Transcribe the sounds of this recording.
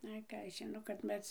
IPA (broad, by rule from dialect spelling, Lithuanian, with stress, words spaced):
ˈɐɪ ˈkɑː ɐʃ ʒʲɪˈnoː kɐt ˈmʲɛs